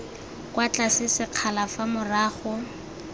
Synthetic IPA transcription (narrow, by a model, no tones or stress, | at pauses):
kwat͡ɬʼasɪsɪq͡χʰalafamʊraːχʊ